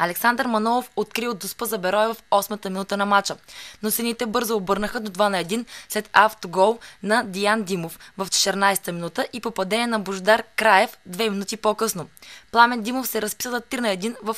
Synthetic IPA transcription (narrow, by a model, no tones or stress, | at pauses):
ɐlɛksand̪əɾmɐnɔlˠofot̪kɾiod̪ospəzɐbɛɾɔjɛvɐfɔsmət̪əminut̪ənɐmat͡ʃənosɛnit̪ɛbɤɾzoːbɤɾnəxəd̪od̪vanɐɛd̪inslɛt̪aft̪oɡɔlˠnɐd̪ijand̪imofvɐft͡ʃɛ̥t̪ɛɾnajsɛ̥t̪əminut̪əʔipopɐd̪ɛnɛnɐboʒd̪aɾkɾajɛfd̪vɛminut̪ipokɤsnoplˠamɛnd̪imofsɛɾɐspi̥səzɐt̪ːɾinɐɛd̪invɐf